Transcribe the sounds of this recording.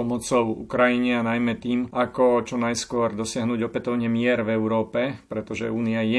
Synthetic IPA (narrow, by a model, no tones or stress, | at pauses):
ɔmɔt͡sɔʊṵkɾajiɲɛanajmɛt̪iːmakɔt͡ʃɔnajskʊɔɾd̪ɔsɪaɦnuːɟɔpɛt̪ɔʊɲɛmɪɛɾvɛʊɾɔːpɛpɾɛt̪ɔʒɛ̰uːniajɛ